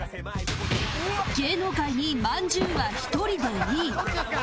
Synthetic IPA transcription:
ɡ̥e̞ːnokaiɲ̟imãɲd͡ʑɨ̃ɰ̃βaçi̥t̪o̞ɾʲid̪eiː

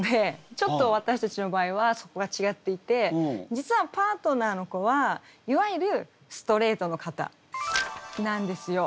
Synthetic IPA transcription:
d̪et͡ɕo̞t̪ːo̞βat̪aɕi̥t̪at͡ɕino̞baːiβaso̞ko̞ɡat͡ɕiɡat̪ːe̞it̪e̞d͡ʑit͡sɨβapaːt̪o̞naːno̞ko̞βaiβaiɾɯ̟ | sɨ̥t̪o̞ɾe̞ːt̪o̞no̞kat̪a̰ | nãnd̪e̞sɨjo̞

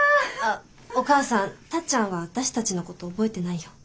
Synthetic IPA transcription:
okaːsãnt̪at͡ɕãɰ̃βaβat̪aɕi̥t̪at͡ɕinoko̞t̪o̞ːbo̞e̞t̪e̞naijo

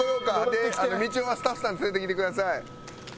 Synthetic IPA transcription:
oɾokat̪eano̞mʲit͡ɕioβasɨ̥t̪aɸɯ̥sãnet͡ssɨet̪ekʲit̪e̞kɯd̪as̬ai

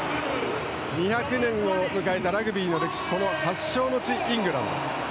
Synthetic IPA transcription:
ɲiçakɯ̟nẽ̞ŋomɯ̟kaet̪aɾaɡɯ̟bʲiːno̞ɾe̞ki̥ɕi̥so̞no̞haɕːo̞ːno̞t͡ɕiʔĩŋɡɯ̟ɾano̰

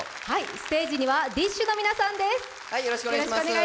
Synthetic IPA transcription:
haisɨ̥t̪e̞ːʑiɲ̟iβad̪ʲiɕːɨno̞mʲinasãnd̪e̞sɨ̥ | haijoɾoɕikɯojoɾoɕoneɡa

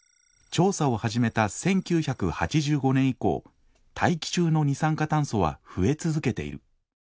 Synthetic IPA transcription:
t͡ɕo̞ːsao̞haʑime̞t̪asẽ̞ŋkʲɨːçakɯ̟hat͡ɕiʑɨːɡo̞nẽ̞ɰ̃iko̞̰ː | t̪ʰaikʲi̥t͡ɕɨːno̞ɲ̟isãŋkat̪ãɰ̃so̞βa̰ɸɯ̟e̞t͡sɨzɨke̞t̪e̞̰ḭɾɯ̟̰

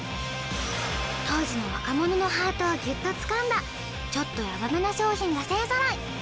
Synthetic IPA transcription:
t̪o̞ːʑino̞βa̰kamo̞nono̞ɦaːt̪o̞βaɡʲɯt̪ːo̞t͡sɨ̥kãnd̪a | t͡ɕo̞t̪ːo̞jabamenaɕo̞ːçĩŋɡaseasaɾai

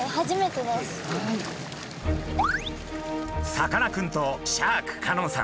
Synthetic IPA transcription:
haʑime̞t̪e̞d̪esɨ̥ | sakanakɯ̟̃nt̪oɕaːkɯ̟̥kʰanõsã̰

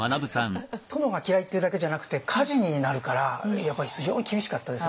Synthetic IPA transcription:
anabɯ̟sãŋt̪o̞mo̞ɡakʲiɾait̪ːeɯ̟d̪ake̞ʑanakɯ̟̥t̪e̞kʰaʑiɲ̟inaɾɯ̟kaɾajapːaɾisɨʑo̞ːɲ̟ikʲibʲiɕi̥kat̪ːad̪e̞s

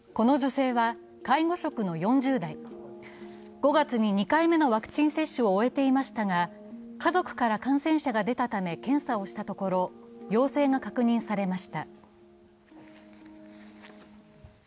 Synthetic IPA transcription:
ko̞no̞ʑo̞se̞ːβa | kaiɡo̞ɕo̞kɯ̟no̞jõ̞ɲd͡ʑɨːd̪ai | ɡ̥o̞ɡat͡sɨɲ̟iɲ̟ikaime̞no̞βakɯ̟̥t͡ɕĩɰ̃se̞ɕːɨoːe̞t̪e̞imaɕi̥t̪aɡa | kazo̞kɯ̟̥kaɾakãɰ̃sẽ̞ɰ̃ɕaɡad̪e̞t̪at̪ame̞kẽ̞ɰ̃sao̞ɕi̥t̪at̪o̞ko̞ɾo̞jo̞ːse̞ːŋakakɯ̟ɲ̟ĩɰ̃saɾe̞maɕi̥t̪a

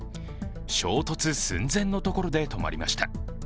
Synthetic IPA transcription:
ɕo̞ːt̪o̞t͡sɨsɨ̰̃nd͡zẽ̞nːo̞t̪o̞ko̞ɾo̞d̪e̞t̪o̞ma̰ɾʲima̰ɕi̥t̪a

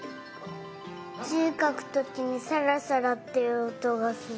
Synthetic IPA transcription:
t͡ɕɨːkakɯ̟̥t̪o̞kʲiɲ̟isaɾasaɾat̪ːeot̪o̞ɡasɨ

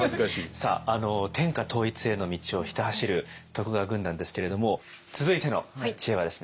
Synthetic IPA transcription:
zkaɕisa̰ːano̞t̪ʰẽ̞ŋkat̪ʰo̞ːit͡sɨe̞no̞mʲit͡ɕio̞çi̥t̪ahaɕiɾɯ̟t̪o̞kɯ̟ɡaɡɯ̟̃nd̪ãnd̪e̞sɨ̥ke̞ɾe̞d̪o̞mo̞ | t͡sɨzɨit̪e̞no̞̰t͡ɕieβad̪e̞sɨ̥ne

